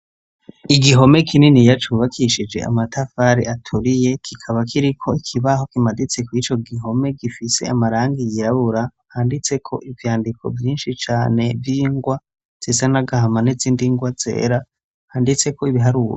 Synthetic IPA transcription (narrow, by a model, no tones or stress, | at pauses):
iɡiɦo̞me̞kʰininijat͡ʃuβakʰiʃid͡ʒe̞̰a̰matafaɾiatʰuɾije̞kʰikʰaβakʰiɾikʰo̞ikʰiβaho̞kimadit͡se̞kwit͡ʃo̞ɡiɦo̞me̞ɡifise̞̰amaɾaːŋɡijiɾaβuɾa | haːndit͡se̞kʰo̞ʔivjaːndikʰo̞̰vjiːnʃit͡ʃaːne̞vjiːŋɡwa | z̥izanaɡahamaniziːndiŋɡwaz̥e̞̰ːɾa | haːndit͡se̞ko̞iβiɦaɾuːɾe